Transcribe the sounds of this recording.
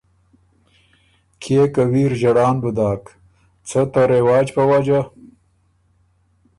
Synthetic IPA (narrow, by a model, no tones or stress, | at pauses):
kʰekawiɾʒaɽɑːnbʊd̪ɑːk | t͡sət̪aɾewɑːd͡ʒpəwad͡ʒa